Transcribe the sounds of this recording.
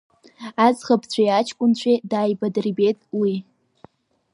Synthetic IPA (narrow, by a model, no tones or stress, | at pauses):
azχapʰt͡sʷʰajat͡ʃʰkʷʼʊnt͡ɕʷʰedaːjbadribetʼwi